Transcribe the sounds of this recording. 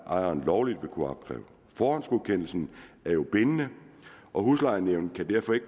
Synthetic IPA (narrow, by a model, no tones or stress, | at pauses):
ʔɑ̈ɪ̰ɐnlɒʊlid̥ʋe̝kʰuɑ̈b̥̚kʰʁɛ̰ːʊ | fɒːhænsɡ̥oðˠkʰen̰l̩sn̩ | æɐjo̝b̥e̝nənəʔɒ̽ɦuslɑ̈ɪ̰neʊnkʰæd̥æɐfɒ̽e̝ɡ̥